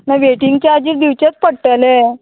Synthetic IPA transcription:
naʋeʈiŋɡt͡ɕaad͡ʑiːɾd̪iʋt͡ɕat͡spəɽʈalɛ

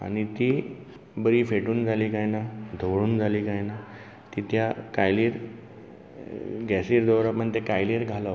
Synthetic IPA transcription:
a̰ñit̪i | bəɾiːfeʈuːnd͡zʱaliːkajnad̪ʱoʋɽuːnd͡zʱaliːkajna | t̪it̪jakajliːɾ | ɡɛsiːɾd̪ɔʋɾapəɳt̪ekajliːɾɡʱala

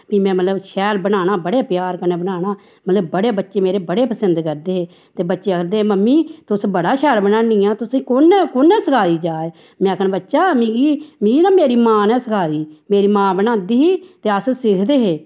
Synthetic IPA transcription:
piːmɛ̃ːmət̪ləbʃɛːlbənaːñaːbəɽeːpjaːɾkəneːbənaːnaː | mət̪ləbːəɽeːbətːʃeːmeːɾeːbəɽeːpəsənd̪kəɾd̪eːɦeː | t̪eːbətːʃeːəkəɾd̪eːeːməmːiːt̪ʊsbəɽaːʃɛːɾbənaːnĩãːt̪ʊsiːkonɛːkonɛːsəkʰaːiːd͡ʒaːeː | mɛ̃ːkʰənbətːʃaːmiɡiːmiɡiːnãːmeːɾiːmãːnɛ̃ːsəkʰaːiːmeːɾiːmãːbənãːd̪iːɦiːt̪eːəssɪkʰd̪eːɦeː

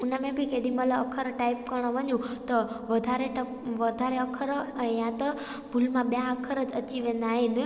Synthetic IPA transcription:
ʊnəmẽbɪkeːɗĩmələɐkʰəɾʈaːɪp̚kɐɾɽ̃oʋɐɲũt̪ɐ | ʋɐd̪ʱaɾeʈɐ | ʋɐd̪ʱaɾeɐkʰəɾjãt̪ɐ | bʱʊlmãɓijãɐkʰəɾəd͡ʑɐt͡ɕiʋẽːn̆d̪aːɦenɪ̆

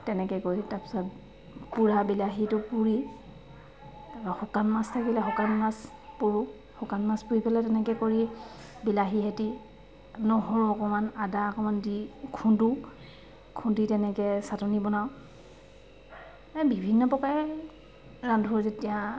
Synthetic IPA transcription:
tɛnɛkɛkoitapi̥sɔt | puɹabilaɦitʊpuɹi | xɔkanmastʰakilɛxɔkanmas | puɹu | hɔkanmaspuɹipɛlatɛnɛkɛkoɹi | bilaɦiɦeti | nɔɦɔɹɔkɔmanadaɔkɔmandikʰundu | kʰunditɛnɛkɛsatɔnibɔnaw | bʱibʱinːɔpɔka | ɹandʱuɹzetija

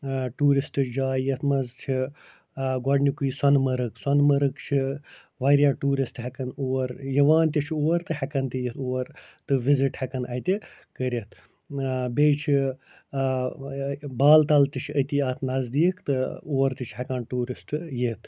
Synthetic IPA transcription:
ʈuːɾisʈɨd͡ʒaːjit̪ʰmɐzt͡ʃʰi | ɡɔɖnikujisɐnmɐɾɨksɐnmɐɾɨkt͡ʃʰi | ʋɐɾjaːʈuːɾisʈɦɛkɐnoːɐɾjɐʋaːnt̪̬ʲit͡ʃʰioːɐɾt̪ɨhɛkɐnt̪ʲijit̪ʰoːɐɾt̪ɨʋiziʈhɛkɐnɐt̪ʲi | kəɾʲit̪ʰ | beːt͡ʃʰi | baːlt̪ɐlt̪it͡ʃʰət̪iaːt̪ʰnɐzd̪iːkt̪ɨoːɐɾt̪it͡ʃʰɦɛkaːnʈuːɾisʈjit̪̚ʰ

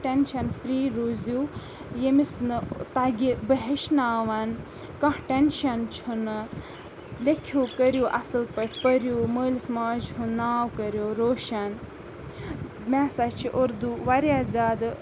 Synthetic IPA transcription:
ʈenʃɐnfɾiːɾuzju | jemisnɨt̪aɡʲibəɦeʃnaːʋan | kɐ̃ʈenʃɐnt͡ʃʰunɨ | lekʰuːkəɾjuːʔɐ̰sɨlpəʈʲʰpəɾjuməːlsmaːd͡ʒɦũnaːwkəɾjoːɾoːʃɐn | mɛːsat͡ʃʰiʔoɾd̪uʋaɾʲjazʲaːd̪

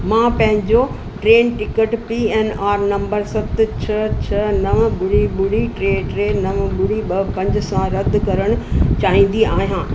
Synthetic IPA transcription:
mãːpɐ̃ɦɪ̃ɲd͡ʑo | ʈɾeːnʈɪkəʈpiːɛːnaːɾnɐ̃mbəɾsɐt̪t͡ɕʰɐt͡ɕʰɐnɐʋbʊɽiɓʊɽiʈɾeːʈɾeːnɐʋbʊɽiɓɐpɐ̃ɲd͡ʑɪ̆sãɾɐd̪̆kɐɾəɽ̃ʊt͡ɕaːɦĩːn̆d̪iaːɦijãː

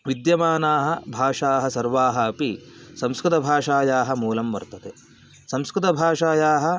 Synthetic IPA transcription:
ʋid̪jɐmaːnaːɦɐ̆bʱaːʂaːɦɐsɐɾʋaːɦɐɐpi | sɐmskɾɪt̪ɐbʱaːʂaːjaːɦɐ̆muːlɐmʋɐ̰ɾt̪ɐt̪e | sɐmskɾɪt̪ɐbʱaːʂaːjaːɦɐ̆

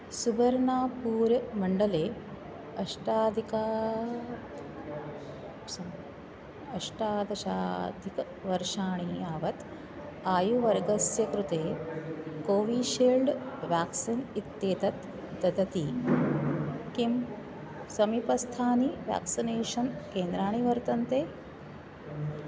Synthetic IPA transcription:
subʱɐɾɳaːpuːɾmɐɳɖɐleː | ɐʂʈaːd̪ʱika | sɐ | ɐʂʈaːd̪ɐʃa̰ːd̪ʱik | ʋɐɾʂaːɳ̃iːaːʋɐt̪ | aːjuʋɐɾɡɐsjɐkɾut̪eː | koːʋiːʃeːlɖʋjaːksinit̪ːeːt̪ɐt̪ | d̪ɐd̪ɐt̪iː | kim | sɐmipɐst̪ʰaːniʋja̰ːksineːʃɐnkeːnd̪ɾaːɳ̃iʋɐɾt̪ɐnt̪eː

